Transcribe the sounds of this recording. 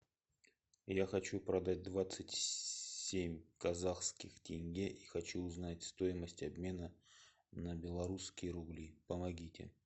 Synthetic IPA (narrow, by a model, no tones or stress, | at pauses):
jaxɐt͡ɕupɾɐd̪at̚ʲd̪vat̪sɨtʲsʲemʲkɐzaxskʲɪxtʲɪnʲɡʲeʔixɐt͡ɕuːznatʲst̪o̞jɪməsʲtʲɐbmʲe̞nə | nəbʲɪlˠɐɾuskʲɪjəɾʊblʲipəmɐɡʲitʲɪ̰